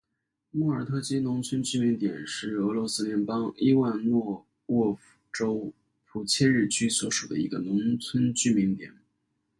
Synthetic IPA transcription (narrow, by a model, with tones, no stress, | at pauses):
mɔ˥˩ə˞˨˩t̪ʰɤ˥˩t͡ɕʰi˥nʊ˧˥ŋt͡sʰə˥nt͡ɕy˥˩mi˧˥ŋt̪jɛ˨˩nʂɻ̩˥˩ɤ˧˥lwɔ˧˥sɹ̩˥ljɛ˧˥npɑ˥ŋi˥wa˥˧nnwɔ˥˧ | wɔ˥˩ | ʈ͡ʂo˥ʊ | pʰu˨˩t͡ɕʰjɛ˥˧ɻɻ̩˥˩t͡ɕʰy˥swɔ˧˥ʂu˨˩d̪ə̰˦ḭ˧˥ɡə˧nʊ˧˥ŋt͡sʰwə˥nt͡ɕy˥˩mi˧˥ŋt̪jɛ̰˨˩˦n